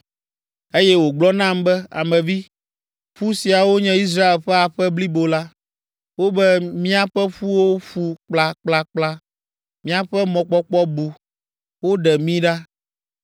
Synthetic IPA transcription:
e˦jɛ˦wo˨ɡ͡blɔ˦nã˦mbɛ˦a̰˨mɛ̃˨vi˦ | ɸu˦si˨a˨wo˦ɲɛ̃˦i˦s̬ɾa˦e˨lɸɛ˦a˨ɸɛ˦bli˦bo˨la˦ | wo˦bɛ˦mĩ˦a˦ɸɛ˦ɸu˦wo˦ɸu˦k͡pla˦k͡pla˦k͡pla˦ | mĩ˦a˨ɸɛ˦mɔ̃˨k͡pɔ˦k͡pɔ˦bu˨ | wo˦ɖɛ˨mĩ˦ɖa˦

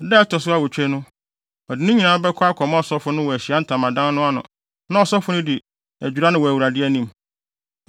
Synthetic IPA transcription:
dɛ˦ɛ˦tʰɔ˨sʊ˦a˦wɔ˨t͡ɕᶣɛ˦nʊ̃˦ | ɔ˨dɪ˨nʊ̃˦ɲĩ˨nãː˨˦bɛ˦kʰɔ˦a˦kʰɔ˨mã˦ɔ˨sɔ˦fʊ˦nʊ̃˦wɔ˨æ˨ɕi˨a˦n̩˦tʰã˨mã˨dã˦nnʊ̃˦a˦nʊ̰̃˨ | nã˦ɔ˨sɔ˦fʊ˦nʊ̃˦di˨ | æ˨d͡ʑᶣu˨ɾa˦nʊ̃˨wɔ˨æ˨wu˨ɾa˨dɪ˦æ˦nĩ˦m

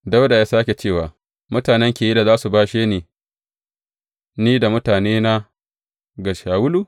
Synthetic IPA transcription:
da˦wda˨jaː˦saː˦kʲe˨t͡ʃeː˦˨waː˨ | mʊ˦taː˨nɛ˦ŋkʲeː˨ji˦da˨zaː˦su˨baː˦ʃeː˦neː˨ | niː˦da˨mʊ˦taː˨neː˦na˦ | ɡɐ˨ʃaː˨wʊ˦lu˨

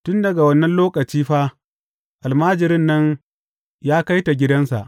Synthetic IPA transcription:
tʊ˦ndɐ˨ɡa˨wɐ˦nːɐ˦nloː˦kɐ˨t͡ʃiː˦ɸaː˦ | ʔa˨lmaː˦d͡ʒɪ˨ɾɪ˦nːɐ˦ɲ | jaː˦ka˦jta˨ɡʲɪ˦dɐ˦nsa̰˨ʔ

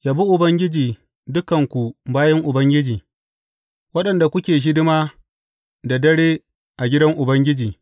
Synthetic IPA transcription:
jaː˨bu˦ʔʊ˨bɐ˦ŋɡʲɪ˦d͡ʒiː˨ | dʊ˦kɐ˨ŋkʷu˨baː˦jɐ˦ŋʔʊ˨bɐ˦ŋɡʲɪ˦d͡ʒiː˨ | wɐ˦ɗɐ˨nda˨kʷʊ˦kʲeː˨ʃ̬ɪ˦dɪ˦maː˦ | da˨dɐ˦ɽeː˦ | ʔa˨ɡʲɪ˦dɐ˦ŋʔʊ˨bɐ˦ŋɡʲɪ˦d͡ʒiː˨

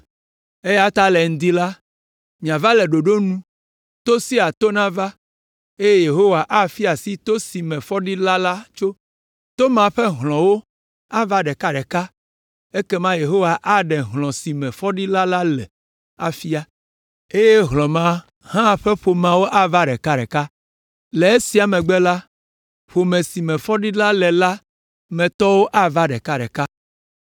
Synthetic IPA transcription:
e˦ja˦t̪a˦lɛ˨ŋ̩̃˦d̪i˦la˦ | mĩ˨ã˨va˦lɛ˨ɖo˨ɖo˦nũ˦ | t̪o˦si˦a˨t̪o˦nã˦va˦ | e˦je˦je˨ɦo˦wa˨ʔa˦fi˦a˨si˦t̪o˦si˨mɛ̃˨fɔ˦ɖi˦la˦la˦t͡ʃo˦ | t̪o˦mã˨ɸɛ˦ɦlɔ̃˨wo˦ | a˦va˦ɖɛ˨ka˦ɖɛ˨ka˦ | e˦kɛ˦mã˦je˨ɦo˦wa˨ʔa˦ɖɛ˨ɦlɔ̃˨si˨mɛ̃˨fɔ˦ɖi˦la˦la˦lɛ̰˨ | a̰˨fi˦a˦ | e˦je˦ɦlɔ̃˨mã˦ | hã˦˨ɸɛ˦ɸo˨mã˨wo˦ʔa˦va˦ɖɛ˨ka˦ɖɛ̰˨ka˦ | le˨e˦si˨˦a˨mɛ̃˨ɡ͡bɛ˦la˦ | ɸo˨mɛ̃˨si˨mɛ̃˨fɔ˦ɖi˦la˦lɛ˨la˦ | mɛ̃˨t̪ɔ˦wo˦ʔa˦va˦ɖɛ˨ka˦ɖɛ̰˨ka˦

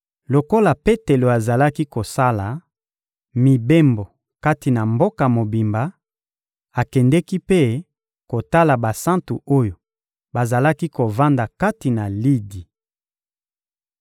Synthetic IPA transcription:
lo˨ko˦la˨pe˦te˨lo˨a˨za˨la˦ki˦ko˨sa˦la˨ | mi˨be˦mbo˨ | ka˦ti˨na˨mbo˦ka˨mo˨bi˨mba˨ | a˨kɛ˨ndɛ˦ki˦pe˦ | ko˨ta˦la˨ba˨sã˦ntu˨o˦jo˨ | ba˨za˨la˦ki˦ko˨va˦nda˨ka˦ti˨na˨li˦di˨

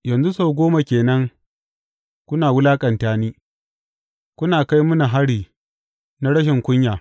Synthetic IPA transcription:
jɐ˨nzu˦soː˦˨ɡʷoː˦ma˨kʲeː˨nɐ˦ŋ | kʷʊ˦naː˨wʊ˦laː˦kʼɐ˨ntaː˦niː˦ | kʷʊ˦naː˨ka˦jmʊ˦na˨ɦa˦ɽiː˨ | na˦ɽɐ˦ʃ̬ɪ˨ŋkʷʊ˦ɲjaː˨

